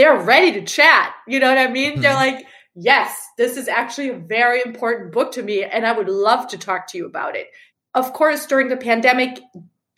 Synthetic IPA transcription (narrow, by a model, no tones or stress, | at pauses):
ðə˞ɹɛɾiɾɨt͡ʃʰæt̚jɨnoʊwʌɾaɪmĩnðə˞laɪk | jɛsðɪsɨzæk̚t͡ʃʉl̩ˠiɨvɛɹiɨ̃mpʰɔɹʔn̩b̥ʊk̚tʰɨmiɨ̃naɪwɨdˡlʌv̥tʰɨtʰɔk̚tʰɨjɨəba̰ʊɾɪ̰t̚ | ʌv̥kʰɔɹsd̥ʊɹɪ̃ŋðɨpʰæ̃ndɛmɨk